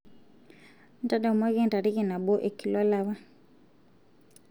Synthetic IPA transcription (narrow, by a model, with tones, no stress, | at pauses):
n̩˦ta˦da˨mwa˦kɛ˦n˨ta˨ɾi˦ki˦˨na˨ɓɔ˦ʔe˨ki˨la˦la˨wa˦